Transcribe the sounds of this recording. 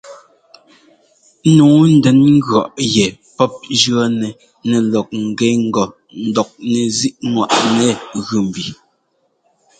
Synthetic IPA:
nuː˨˦n̩˦dɛ˨˦nŋ̩˦ɡɰɔ˨ʔjɛ˨ | pɔ˦p̚d͡ʒɰɔ˦nɛ˨ | nɛ˨lɔ˨k̚ŋ̩˨ɡɛ˨˦ŋ̩˦ɡɔ˨ | n̩˦dɔ˨k̚nɛ˨zi˦ʔnwa̰˨ʔnɛ˨ɣʉ˨m˨bi˨

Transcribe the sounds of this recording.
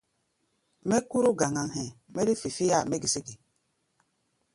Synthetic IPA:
mɛ˦ku˦ɾu˦ɡa˨ŋa˨ŋhɛ˨mɛ˦ɾi˦fi˨fi˦ja˦˨me˦ɡi˨si˦ɡi˨

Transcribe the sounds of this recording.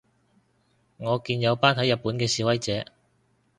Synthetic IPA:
ŋɔː˨˧kiː˧njɐ˨˧wpaː˥nt̪ʰɐ˨˥jɐ˨t̚pːuː˨˥nkɛː˧siː˨˥wɐ˥jt͡sɛː˨˥

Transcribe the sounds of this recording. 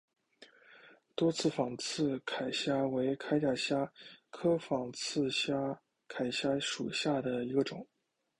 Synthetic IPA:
t̪wɔ˥t͡sʰɹ̩˥˩fɑ˨˩ŋt͡sʰɹ̩˥˩˧kʰa˨˩ɪɕja˥we˧˥ɪkʰa˥ɪt͡ɕja˥˩ɕja˥kʰɤ˥fɑ˨˩ŋt͡sʰɹ̩˥˧ɕja˥ | kʰa˨˩ɪɕja˥ʂṵ˨˩ɕja˥˩d̪ə˩i˧˥ɡə˧ʈ͡ʂʊ˨˩˦ŋ

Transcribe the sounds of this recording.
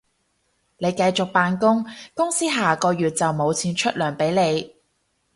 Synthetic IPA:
ne˨˧jkɐ˧jt͡sʊ˨k̚paː˧nkʊ˥ŋkʊ˥ŋsiː˥ɦaː˨kɔː˧ɥyː˨t̚t͡sɐ˨wmo˨˧wt͡sʰiː˨˧nt͡ʃʰɵ˥t̚lœː˨˩ŋpe˨˥jle˨˧j

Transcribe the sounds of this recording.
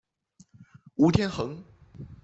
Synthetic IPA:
u˧˥t̪ʰjɛ˥nxɤ˧˥ŋ

